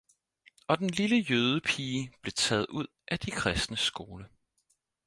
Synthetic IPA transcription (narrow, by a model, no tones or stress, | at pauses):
ɒ̽d̥enliləjøːð̞ˠəpʰiːb̥le̝t͡sʰɛːð̞̩ˠuð̞̰ˠʔæd̥ikʰʁɛsd̥nəsɡ̥o̝ːlə